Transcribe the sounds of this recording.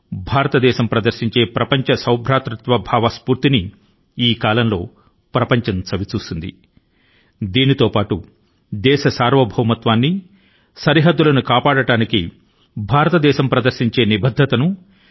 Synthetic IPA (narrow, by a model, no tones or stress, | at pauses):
bʱaːɾɐt̪ɐd̪ɛːʃɐmpɾɐd̪ɐɾsiɲt͡ʃe̞ːpɾɐpɐɲt͡ʃɐsɐwbʱɾaːt̪ɾɐt̪ʋɐbʱaːʋɐspuːɾt̪ini | iːkaːlɐmlo̞ː | pɾɐpɐɲt͡ʃɐnt͡ʃɐʋit͡ʃuːsund̪ḭ | d̪iːnit̪o̞ːpaːʈu | d̪ɛːʃɐsaːɾʋɐbʱɐwɐmɐt̪ʋaːnːi | sɐɾiɦɐd̪ːulɐnukaːpaːɽɐʈaːniki | bʱaːɾɐt̪ɐd̪ɛːʃɐmpɾɐd̪ɐɾʃiɲt͡ʃe̞ːnibɐd̪ʱːɐt̪ɐnu